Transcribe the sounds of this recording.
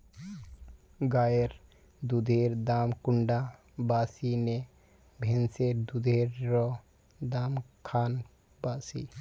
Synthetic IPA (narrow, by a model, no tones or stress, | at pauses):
ɡajeɾ | d̪ud̪ʱeɾd̪amkuɳɖa | basine | bʱenseɾd̪ud̪ʱeɾːɔ | d̪amkʰan | basi